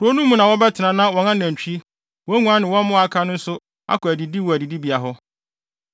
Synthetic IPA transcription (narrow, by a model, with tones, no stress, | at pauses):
ɾo˦nũ˦mːũ˦nã˨wɔ˦bɛ˦tʰɪ˨nã˨nã˦wɔ˨nã˦næ̃˨ɲ˨t͡ɕᶣi˦ | wɔ˦ŋũ˦a˦nɪ̃˨wɔ̃˦m˦mʊ̃˦a˨kʰã˦nʊ̃˦n̩˦sʊ˦ | a̰˦kɔ˨æ˨di˨di˦wɔ˨æ˨di˨di˦bi˨a˨ɦɔ˦